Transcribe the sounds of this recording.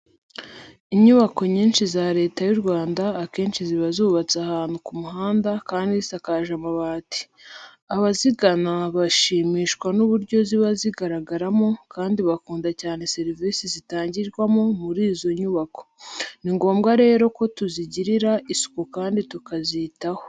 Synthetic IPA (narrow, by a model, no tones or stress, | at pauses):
iɲuβako̞ɲiːnʃizaːɾe̞ːtajuɾɡwaːndaːke̞ːnʃiziβazuːβat͡sahaːnhukumuɦaːndakaːndisakaʒamaβaːti̥ | aβaziɡanaβaʃiːmiːʃwanuβuɾɟo̞ziβaziɡaɾaɡaɾamo̞kaːndiβakuːndacaːne̞se̞ɾviːsizitaːɲɟiɾɡwamomuɾiːzo̞ɲuβako̞̥niŋɡo̞ːmɡaɾe̞ːɾo̞ko̞tuziɟiɾiɾaʔisu̥kokaːnditukazitaho